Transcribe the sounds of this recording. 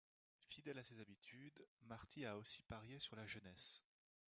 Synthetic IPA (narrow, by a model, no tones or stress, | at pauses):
fid̪ɛlasezabit̪ʰyd̪maʁt̪ʰiaosi̥paʁjesyʁlaʒənɛs